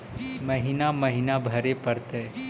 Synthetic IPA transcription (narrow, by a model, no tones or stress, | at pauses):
məɦinaməɦinabʱəɾepəɾt̪ɛ